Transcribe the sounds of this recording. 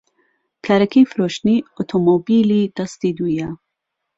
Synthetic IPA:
kʰɐɾɐkʰifɾoːʃniːot̪ʰomobiːliːd̪̥ɐst̪id̪uːja

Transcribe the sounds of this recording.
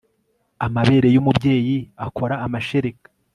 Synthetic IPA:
amaβe̞ɾe̞jumubɟe̞ːjiako̞ɾaːmaʃe̞ɾekḁ

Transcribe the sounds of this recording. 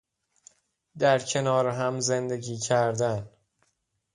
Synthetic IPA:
d̪æɾcʰe̞nɒːɾeɦæmze̞nd̪e̞ɟiːcʰæɾd̪æn

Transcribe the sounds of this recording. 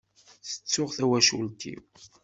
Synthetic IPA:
θə̥t͡sːʊʁθæwæʃṵlt̪ḭw

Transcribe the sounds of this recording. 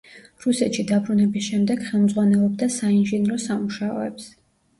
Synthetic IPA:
ɾusɛt̪ʃid̪abɾunɛbisʃɛmd̪ɛɡχɛlˠmd̪zʁwanɛlˠɔb̚d̪asainʒinɾɔsamuʃaɔ̰ɛ̰ps

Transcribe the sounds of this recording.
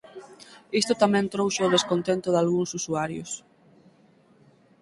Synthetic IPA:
ist̪ʊt̪amɛ̃nt̪ɾowʃaʊðeskont̪ent̪ʊðalɣuŋsusuaɾjʊ̰s

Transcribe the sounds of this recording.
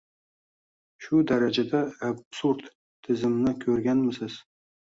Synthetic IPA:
ʃud̪aɾad͡ʒad̪aabsuɾd̪ | t̪ʰːɪzɪmnɪkʲʰɵɾɡʲanmɪsɪz̥

